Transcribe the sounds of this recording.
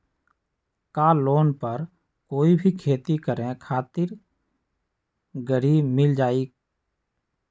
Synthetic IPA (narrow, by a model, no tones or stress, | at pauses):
kaːloːnpəɾ | koːibʱikʰeːt̪ikəɾẽkʰaːt̪ɪɾ | ɡəɾiːbmɪld͡ʒaːiːk